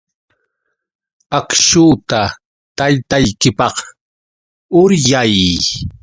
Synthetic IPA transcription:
akʃuːt̪a | t̪ajt̪ajkɪpɑq | ʊɾjaj

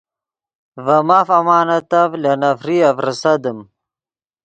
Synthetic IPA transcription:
vɐmafɐmaːnɐt̪ɐvlɐnɐfɾiɐfɾəsɐd̪ɨm

